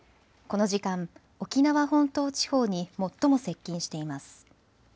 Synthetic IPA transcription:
ko̞no̞ʑikãɴ | o̞kʲinaβaɦõ̞nt̪o̞ːt͡ɕi̥ho̞ːɲ̟imo̞t̪ːo̞mo̞se̞kʲːĩɰ̃ɕi̥t̪e̞imasɨ̥

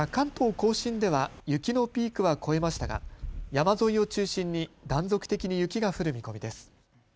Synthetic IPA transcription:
kãnt̪o̞ːko̞ːɕĩnd̪e̞βajɯ̟kʲino̞pʲiːkɯ̟βako̞e̞maɕi̥t̪aɡa̰jamazo̞io̞t͡ɕɨːɕĩɲ̟ːid̪ãnzo̞kɯ̟̥t̪e̞kʲiɲ̟ijɯ̟kʲiɡaɸɯ̟ɾɯ̟mʲiko̞mʲid̪e̞sɨ̥

